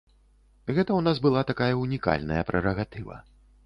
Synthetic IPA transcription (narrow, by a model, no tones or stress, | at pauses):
ɣɛt̪ɐwnasbɨlˠat̪akajɐunʲika̰lʲnɐ̰jɐpɾʔɛɾɐɣat̪ɨvɐ̰